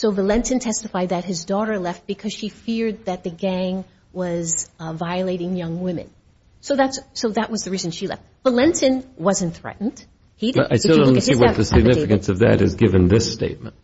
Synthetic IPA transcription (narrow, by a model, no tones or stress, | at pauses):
soʊvəlɛ̃ntɨ̃ntʰɛstɨfaɪd̪̚ðɨt̚ɦɨzdɔɾə˞lɛft̚b̥ɨkʰʌz̥ʃifɪɹd̪̚ðɨt̪̚ðɨɡæ̃ŋ | wʌzvaɪɨleɪɾɪ̃ŋjʌ̃ŋwɪ̃mɨ̰̃n | soʊðætssoʊðɨʔ̚wʌzðɨɹizɨ̃nʃilɛ̰ft̚v̥əlɛ̃ntʰɨ̃nwʌzɨ̃nθɹɛ̰ʔn̩d̥ | hidaɪtɛ̃nsiwʌðɨsɨɡ̚nɪfɨkɨ̃nsʌvðɨ̰ɾɨ̰zɡɪvɨ̃nðɪsteɪt̚mə̰̃nt̚